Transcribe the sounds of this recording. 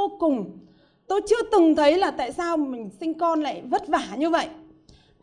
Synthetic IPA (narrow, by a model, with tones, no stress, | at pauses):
o˧kʊ˨˩ŋ͡m | t̪o˧jt͡ɕɨ˧ət̪ɨ˨˩ŋt̪ʰə˨˦jlaː˨˩t̪a̰ː˧˨jsaː˧wmï˨˩ŋ̟sï˧ŋ̟kɔ˧nla̰ː˧˨jvə˦˥t̚vaː˧˩ɲɨ˧və̰˧˨jʔ